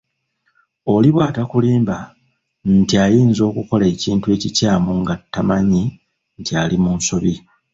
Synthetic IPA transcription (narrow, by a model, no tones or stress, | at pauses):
o̞liβwaːtakuliːmba | ntiajiːnzo̞ːkuko̞le̞ciːntue̞ːcicaːmuŋɡatːamaɲi | ntialimunso̞βi